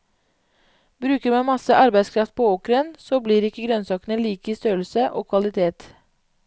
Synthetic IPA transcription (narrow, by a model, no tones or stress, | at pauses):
bɾʉːkəɾmɑnmɑsəʔɑɾbæɪskʰɾɑft̪̚pʰoːoːkɾənsoːbliːɾɪkəɡɾœnsɑːkənəliːkəiːst̪øːɾl̩səʔoːkʰʋɑlɪt̪ʰeːt̪